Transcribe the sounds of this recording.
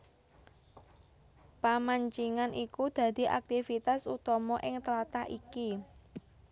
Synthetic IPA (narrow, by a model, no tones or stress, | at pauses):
pamaɲt͡ʃiŋanʔikud̪̥ä̤d̪̥i̤ʔa̰k̚t̪ifit̪asut̪ɔmɔʔɪŋt̪əlat̪aiki